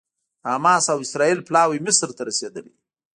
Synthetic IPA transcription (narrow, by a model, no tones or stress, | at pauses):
amɑsawɪsɾɑilplɑwimɪsɾt̪aɾased̪əlḭ